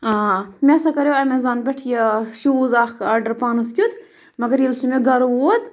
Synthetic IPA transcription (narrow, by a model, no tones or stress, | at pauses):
aːmʲesɐkɐɾewɐmezaːnbʲeʈʰjɐʃuzaːkaːɖɐɾpaːnɐskʲud̪ | mɐɡɐɾjilsumeɡɐɾod̪